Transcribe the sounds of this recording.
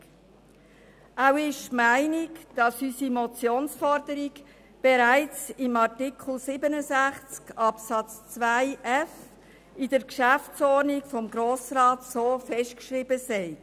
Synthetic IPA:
awɪʃmæɪnikd̥ɑsysimɔt͡sjoːnsfɔɾdəɾiɡ | b̥eɾæɪt͡sɪmɑʁtɪkʰl̩sɪbənəzæχt͡skɑpsɑt͡st͡svæɪʔɛf | idəɾkʃæft͡sɔɾnikfɔmɡɾoːsrɑːtsoːfɛʃtkʃɾibəsɛɪ

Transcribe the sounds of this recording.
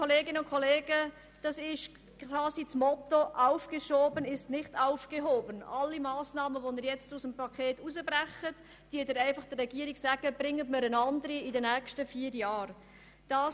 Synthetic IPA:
koleːɡɪnəʊnkʰoleːɡ̥ə | d̥ɑsɪʃ | kʰʋɑːsit͡smɔtoʔaʊfɡ̥eʃoːbənɪstnɪχtaʊfɡ̥eɦoːbənɑlːimaːsnɑːməvonəɾjɛt͡stʊsəmpʰɑkʰeːtusəbɾɛχət | d̥iːədəɾæɪfɑχd̥ərːɛɡ̥iəɾiɡsæɡ̥əb̥ɾɪŋːətmɪɾənɑndəɾiɪdɛnɛːkʃtəfiːəɾjɑːɾ | d̥ɑː

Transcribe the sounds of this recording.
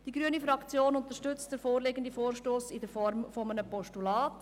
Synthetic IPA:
d̥iɡɾyənifɾɑkt͡sjoːnʊnt̪əʃtʏt͡std̥ɛfoːɾleːɡəndifoːʃtoːsɪdəfɔɾmfɔmənəpɔʃtulɑːt

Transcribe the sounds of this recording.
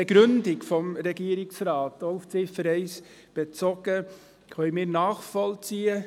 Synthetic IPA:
ɛɡɾʉndɪkfɔmɾɛɡiːəɾɪksraːtouft͡sɪfəɾɛɪs | b̥et͡sɔɡ̥ə | kʰœəmɪːɾnɑːχfɔlt͡siːə

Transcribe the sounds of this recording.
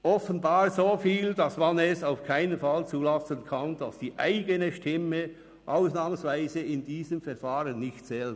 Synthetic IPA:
ʔɔfənbaːʁzoːfiːldɑsmɑnɛsaʊfkʰaɪnənfɑlt͡suːlɑsənkʰɑnd̥ɑsd̥iːʔa̰ɪɡənəʃtɪmə | ʔaʊsnɑːmənsvaɪzəɪndiːzəmfɛʁfɑːɾənːɪçtt͡sɛːl

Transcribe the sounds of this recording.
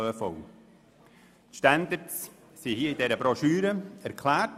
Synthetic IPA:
əfɔw | tʃtændəɾts | sihiəidɛɾəbɾɔʃyːɾəæɾkʰlæːt

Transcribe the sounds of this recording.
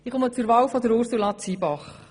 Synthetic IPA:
ɪχomət͡sʊɾvɑːwfɔd̪əɾoɾsulɑt͡sibɑχ

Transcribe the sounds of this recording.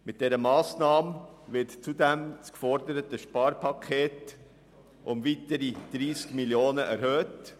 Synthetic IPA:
mɪt̚d̥ɛɾəmɑːsnɑːməvɪɾtt͡sudɛmskfɔɾdəɾətəʃpɑːɾpʰɑkʰeːt | ʔʊmviːtəɾid̪̥ɾiːskmiljoːnəʔɛɾhøːt

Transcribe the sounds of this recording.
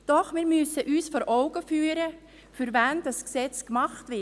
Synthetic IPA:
d̥ɔχmɪːɾmʏsəʔyːsfɔːɾʔɔʊɡəfyːɾə | fyɾvænd̥ɑsksɛt͡skmɑχtvɪ

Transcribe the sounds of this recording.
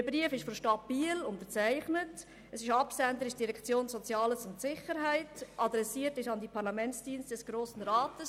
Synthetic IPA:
əbɾiəfɪʃfɔmʃtɑb̥iːlʊntəɾt͡sæɪχnət | əsɪʃɑpsændəɾɪʃd̥iɾɛkt͡sjoːnsɔt͡sjɑːləsʊntsɪχəɾɦæɪtʔɑd̪ɾɛsiːətɪʃɑndipʰɑɾlɑmɛnt͡sd̥iːnstdɛsɡ̥ɾoːsən̩ɾaːtəs

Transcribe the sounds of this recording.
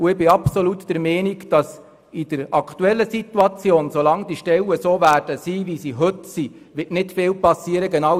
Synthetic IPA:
uɪbɪɑpsolutd̥ɛɾmɛːniɡd̥ɑs | id̥əɾɑkʰtuɛlːəsituɑt͡sjoːnsolɑŋd̥iʃtɛlːəsoːvæːrd̥əsiːʋisiɦɵtsi | ʋɪtnɪtfɪːlpɑsiːəɾəɡenɑw

